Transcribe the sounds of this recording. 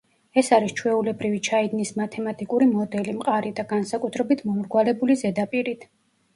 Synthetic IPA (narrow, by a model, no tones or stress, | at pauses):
ɛsaɾist͡ʃʰwɛulɛbɾivit͡ʃʰaid̪nismat̪ʰɛmat̪ʼikʼuɾimɔd̪ɛlimqʼaɾid̪aɡansakʼut̪ʰɾɛbit̪ʰmɔmɾɡwalɛbulizɛd̪apʼiɾit̪ʰ